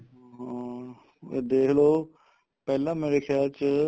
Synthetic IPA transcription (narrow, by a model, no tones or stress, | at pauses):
ɦã | ed̪eːkloː | pɛːlãːmeːɾekʰjaːlt͡ʃə